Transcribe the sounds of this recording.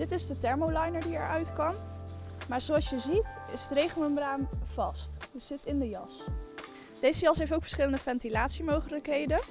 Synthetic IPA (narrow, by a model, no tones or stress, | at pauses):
dɪtɪzdətɛɹmowlɑjnəɹdiɛ̰ɹʔœɥtkɑmmaːɹz̥owɑlˠsjəzitɪ̰sətrejχəlnəmbraːmv̥ɑstjəz̥ɪtɪndəjɑs | d̥ejzəjɑsɦejftowkfə̥ɹsχɪləndəfɛntilaːtsimowχələkɦejdən